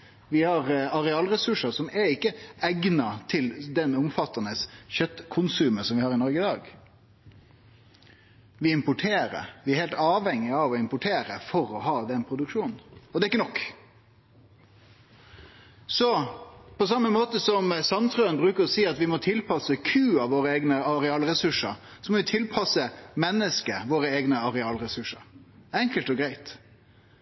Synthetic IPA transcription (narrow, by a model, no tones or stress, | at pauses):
ʋɪhɑʁɑɾɛɑːlɾɛsʉʂəsɔmɛɾɪkːəæɡnɑt̪ʰɪld̪ɛnʊmfɑt̪ːɑnəsçœt̪ːkʰʊnsʉːmənsɔmʋɪhɑːʁɪnɔɾɡəɪd̪ɑːɡ | ʋɪɪmpʊʈʰeːɾə̰ɾʋɪæɾhɛːlt̪ɑːʋhɛŋːɪɑʋɔɪmpʊʈʰeːɾəfɔɾɔɦɑːd̪ɛnpʰɾʊd̪ʉkʂuːnn̩ɔd̪ɛːɪkːənɔkː | sɔpɔsɑmːəmoːt̪əsɔmsɑnt̪ʰʁøːənbɾʉːkəɾɔsiːɑt̪ʋɪmɔt̪ʰɪlpʰɑsəkʰʉːɑʋʋoːɾəeːɡnəɑɾɛɑːlɾɛsʉʂə̰ɾ | sɔmɔʋɪt̪ʰɪlpʰɑsəmɛnːəskəʋoːɾəeːɡnəɑɾɛɑːlɾɛsʉʂəɾɛŋkəlt̪ɔɡɾæɪt̪